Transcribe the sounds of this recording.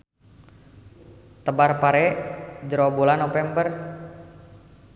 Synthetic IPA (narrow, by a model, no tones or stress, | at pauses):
t̪əbarpaɾɛd͡ʒɾobulanɔfɛmbər